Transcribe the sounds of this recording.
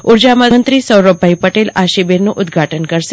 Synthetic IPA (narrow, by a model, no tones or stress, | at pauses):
ʊɾd͡ʒamənt̪ɾisəwɾəbʱːaipəʈelaʃibeɾnũʔʊd̪ɡʱaʈənkəɾʃ